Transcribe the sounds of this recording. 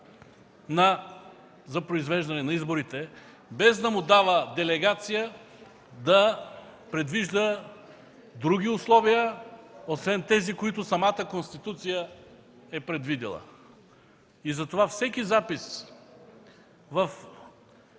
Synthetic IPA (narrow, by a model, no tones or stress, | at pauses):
nɐ | zɐpɾoizvɛʒd̪ɐnɛnɐizboɾit̪ɛ | bɛzd̪ɐmʊd̪avəd̪ɛlɛɡat̪sijə | d̪ɐpɾɛd̪viʒd̪ə | d̪ɾuɡ̟ʲiʊslˠɔvijəosvɛnt̪ɛzikoit̪ʊsɐmat̪əkonst̪it̪ut̪sijə | ɛpɾɛd̪vid̪ḭlˠə̰ | izɐt̪ovafsɛkʲizapis | vɐf